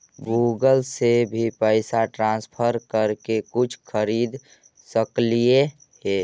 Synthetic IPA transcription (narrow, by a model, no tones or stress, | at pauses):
ɡuːɡəlsebʱipəɪsaʈɾãːspʰəɾkəɾkekʊt͡ʃʰkʰəɾiːd̪ | səklie | ɦeː